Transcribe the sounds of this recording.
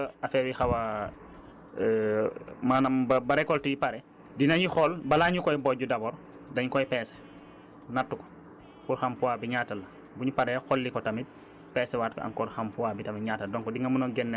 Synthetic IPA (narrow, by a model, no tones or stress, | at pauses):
afɛwixawa | maːnɐmbɐbaɾɛkɔltijipaɾɛ | dinɐɲixɔlbɐlaɲukɔjbɔɟudɐbɔːɾ | dɐɲukɔjpɛːsɛ̥ | natːukɔ̥ | puɾxampuabiɲaːtɐlɐ | buɲupaɾɛxɔlːikɔtɐmit̚ | pɛːsɛwaːt̚kɔ̰a̰ŋkɔɾxampuwabitɐmiɲaːtɐdɔŋkɔdiŋɐmunɔɡɛnːɛ